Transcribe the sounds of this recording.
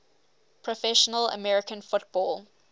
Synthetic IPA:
pʰɹɔfɛʃɔnələ̰mɛɹɪkə̃nfʊtb̥ɔːlˠ

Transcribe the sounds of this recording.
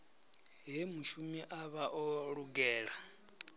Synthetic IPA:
ɦɛmuʃumiʔaβaʔɔɺuɡɛːɺa

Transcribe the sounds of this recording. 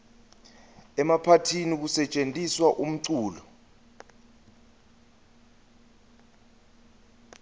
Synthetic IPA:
ɛmapʰatʰinik̬usɛt͡ʃʼentʼiswaʔum̩ǀuːlɔ

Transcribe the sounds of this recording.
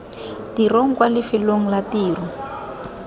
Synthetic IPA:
tiroŋ̩kwalɪfiloŋ̩latiːrɔ

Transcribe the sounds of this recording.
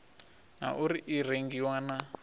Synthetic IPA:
na̰ʔuɾiʔiɾeŋɡiwana

